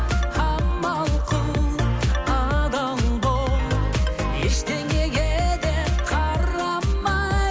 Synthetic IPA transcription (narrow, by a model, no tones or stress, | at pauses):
hɑmɑlˠqʰəl | ɑd̪ɑmbo | ḛʃd̪eŋeɡʲed̪eqʰɑɾɑmːɑ